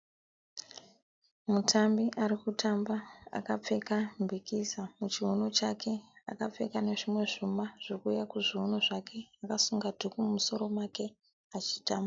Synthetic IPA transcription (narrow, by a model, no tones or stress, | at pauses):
mutʰambiʔaɾikutʰambaa̰kap͡fe̞kambʱikisamut͡ʃiɦuno̞t͡ʃakʰe̞a̰kap͡fe̞kane̞ʐimwe̞ʐumaʐ̥ikujakuʐiɦuno̞ʐakʰe̞akasuŋɡadʱukumumuso̞ɾo̞make̞ | at͡ʃi̥taːma